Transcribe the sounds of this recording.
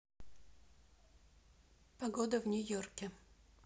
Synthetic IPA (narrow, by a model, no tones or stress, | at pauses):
pɐɡod̪əvnʲʊjorkʲɪ